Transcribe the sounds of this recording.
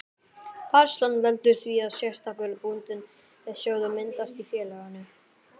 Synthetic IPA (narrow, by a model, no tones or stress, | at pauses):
faɾ̥slanːvɛlt̪ʏɾ̥θviaðsjɛr̥t̪akœlpunt̪ɪn | ɛðsjoːwðʏmɪnt̪ast̪ifjɛːlɛɣanːʏ